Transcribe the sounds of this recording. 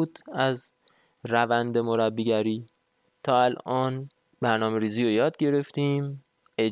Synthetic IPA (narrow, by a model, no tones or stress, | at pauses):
ud̪̥æz | rævænd̪e̞moɾæbːiːɟæɾiː | t̪ʰɒːælʔɒːn | bæɾnɒːme̞ɾiːziːɾojɒːd̪̚ɟe̞ɾe̞ft̪ĩːm | ʔe̞